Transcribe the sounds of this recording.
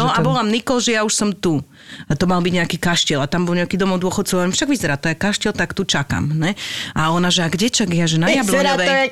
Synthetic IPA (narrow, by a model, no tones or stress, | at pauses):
nɔabɔlamnikɔlʒɛjauʃsɔmt̪u | t̪ɔmalbiɟɲɛakiːkaʃcilat̪ambɔlɲɛakiːd̪ɔmɔd̪ʊɔxɔt̪t͡sɔʊaʋɛɾimfʃaɡʋizɛɾaːt̪ɔjɛkaʃcɛlt̪akt̪ut͡ʃaka̰mɲɛʔaɔnaʒɛaɡɟɛt͡ʃaɡɛaʒɛnajablɔnɔʋɛ